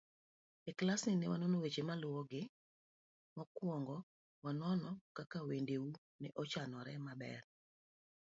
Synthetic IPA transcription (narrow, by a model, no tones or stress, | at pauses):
ɛklasɪnɛwanɔnɔwet͡ʃemalʊwɔɡɪ | mɔkwɔŋɡɔ | wanɔnɔkakawendeu | nɛʔɔt͡ʃanɔɾɛmabɛ̰r